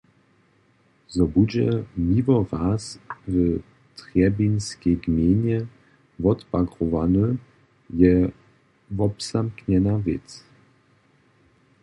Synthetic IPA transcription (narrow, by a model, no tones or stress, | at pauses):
zɔbud͡ʑɛ̰mivɔvasvə | t̪ʁjɛbinskʲɛjɡmjeɲɛ | vɔt̪paɡʁɔvanə | jɛ | vɔpsamkɲɛnavʲɛ̰t͡s